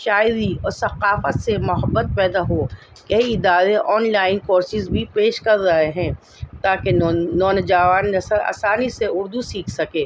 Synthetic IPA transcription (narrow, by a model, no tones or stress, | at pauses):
ʃaːɪɾiɔːɾsɐqaːfət̪semʊɦəbːət̪̚pɛːd̪aɦoː | kɐɦiɪd̪aːɾeʔɔːnlaːɪnkoːɾsɪzbʱipeːʃkɐɾːɐɦeɦɛ̃ː | t̪aːkenɔːnd͡ʒaːʋaːnːɐsəɾa̰ːsaːniseʊɾd̪usiːkʰsɐkeː